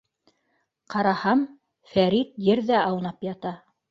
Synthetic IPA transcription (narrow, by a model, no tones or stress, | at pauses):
qɑɾɑhɑm | fæɾit̪jɘɾðæʔɑwnɑpjɑt̪ɑ